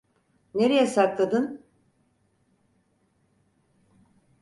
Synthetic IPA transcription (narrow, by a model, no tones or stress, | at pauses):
ne̞ɾejɛsaklˠad̪ɯn